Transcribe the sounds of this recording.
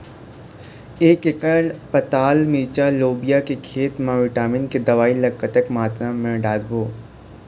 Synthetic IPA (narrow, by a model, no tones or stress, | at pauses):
eːkekəlpɐt̪aːlmiːt͡ʃaloːbijakekʰeːt̪mãʋɪʈaːmɪnked̪ɐʋaːilɐkːət̪əkmaːt̪ɾamɛ̃ɖaːd̪boː